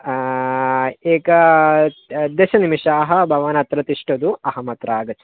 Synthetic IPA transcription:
eːkɐ | d̪eːʃɐnimiʃaːɦɐbʱɐʋɐnɐt̪ɾɐt̪iʂʈɐd̪uɐhɐmɐt̪ɾaːɡɐt͡ʃu̥

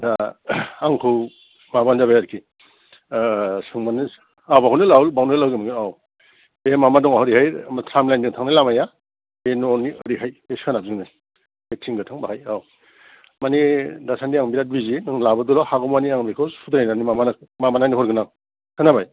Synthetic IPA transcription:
daaŋkʰɯw | mabanzabajaɾkʰi | sɯŋmani | abaɦunɯlawlbawnelawɡimaŋiaw | emamadɔŋaɦɔɾihajmatʰɾamlajndiŋtʰaŋnajlamaja | benɔnːiɯɾiɦajeskʰanabzɯŋnɯ | bek̚sʰiŋɡɯtʰaŋbaɦajaw | manidasʰandiaŋbiɾat̚bizinɯŋlabɯdulahaɡɔmaniaŋbikʰɯwud̪ɾajnanimamanamamananiɦɔɾɡɯna | kʰɯnabaj

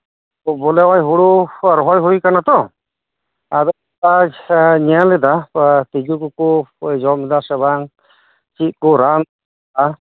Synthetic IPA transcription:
bɔlɛwajɦuɽuɾɔɦɔjɦujkanat̪ɔ | ad̪ɔ | aɲɛalɛd̪at̪id͡ʒukukud͡ʒɔmid̪asɛbaŋ | t͡ʃit̪̚kuɾan | a

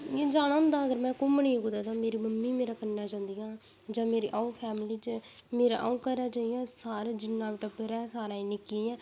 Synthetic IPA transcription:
jẽːd͡ʒaːɽãːnd̪aːəɡəɾmɛ̃ːkʊmnĩːkʊd̪aːd̪ãːmeːɾiːməmːiːmeːɾaːkənːaːd͡ʒãːnd̪iːãː | d͡ʒãːmeːɾiːʔauːpʰɛːmliːt͡ʃmeːɾã̰ːʔaũːkəɾaːd͡ʒãːijãːsaːɾad͡ʒɪnːãːbɪʈəbɾɛːsaːɾãːĩːnɪkiɛ̃ː

